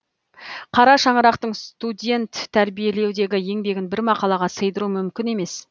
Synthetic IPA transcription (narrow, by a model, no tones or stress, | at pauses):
qʰɑɾɑʃɑɴəɾɑqt̪əɴst̪ud̪ʲe̞nt̪ʰːæɾbije̞le̞wd̪e̞ɡʲɪje̞ŋbe̞ɡʲɪnbɪɾmɑqɑlˠɑʁɑsəjd̪əɾumʏmkʲɪne̞me̞s